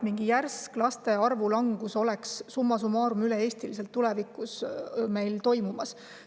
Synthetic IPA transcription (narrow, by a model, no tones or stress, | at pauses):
miŋɡ̥ijærsklɑst̪e̞ɑrvulɑŋɡ̥uso̞leksːumːɑsumɑːɾumylee̞ːst̪iliselt̪ːulɛvikˑusme̞jlt̪o̞jmumɑs